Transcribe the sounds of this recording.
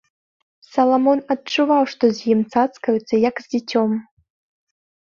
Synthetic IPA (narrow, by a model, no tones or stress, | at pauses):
sɐlˠɐmonɐt̚t͡ʂuvawʂt̪ozjimt͡sat͡skɐjut͡sːɐjakzʲdʲet͡sʰʲom